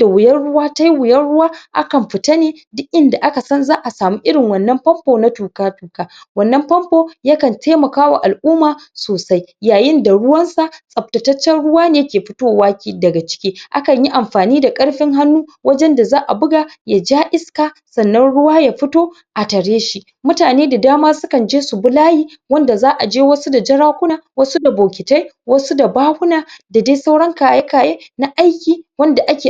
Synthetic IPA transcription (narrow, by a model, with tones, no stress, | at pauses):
d̥a˨wʊ˨jɐ˦rɽʊ˦waː˦ta˦ji˦wɪ˨jɐ˦rɽʊ˦waː˦ʔa̰˦kɐ˨mɸɪ˨ta˦neː˦ | dʊ˦ʔʔɪ˦nda˨ʔa˦ka˨sɐ˦nzaː˦ʔa˨saː˨muː˦ʔɪ˦ɽɪ˨ŋwɐ˨nːɐ˦mpɐ˦mpoː˨na˦tuː˨kaː˦tuː˨kaː˦wɐ˦˨nːɐ˦mɸɐ˦mpoː˨ja˦kɐ˨ntʰeː˦mɐ˨kaː˦wa̰˨ʔa˨lʔuː˦maː˨soː˨sa˦jjaː˨jɪ˦nda˨ɽʊ˦wɐ˦nsa˨sʼɐ˨p̚tɐ˨tɐ˦t͡ʃːɛ˦nɽʊ˦waː˦neː˦kʲeː˨ɸɪ˦toː˦waː˦kʲiː˨dɐ˨ɡa˨t͡ʃɪ̥˦kʲiː˦ʔa̰˦kɐ˨ɲji˦ʔa˨mɸaː˨niː˦da˨kʼɐ˦ɽɸɪ˦ŋɦa˦nːuː˦wɐ˦d͡ʒɛ˦nda˨zaː˦ʔa̰˨bʊ˦ɡa˨ja˨d͡ʒaː˦ʔɪ˦skaː˨ | sɐ˨nːɐ˦nɽʊ˦waː˦jaː˨ɸɪ˦toː˦ | ʔa˨tɐ˨ɽeː˦ʃi˦ | mʊ˦taː˨neː˦da˨daː˦maː˦sʊ˦kɐ˨nd͡ʒeː˦su˨bʊ˦laː˦jiː˦ | wɐ˦nda˨zaː˦ʔa˨d͡ʒeː˦wɐ˦su˦da˨d͡ʒɐ˦ɽaː˦kʷʊ˦naː˨wɐ˦su˦da˨boː˨kʲɪ˨ta˦jwɐ˦su˦da˨baː˦hʊ˦naː˨da˨daː˦sa˦wɽɐ˦ŋkaː˨je˦kaː˨jeː˦na˦ʔa˦jkʲiː˨wɐ˦nda˨ʔa˦kʲeː˨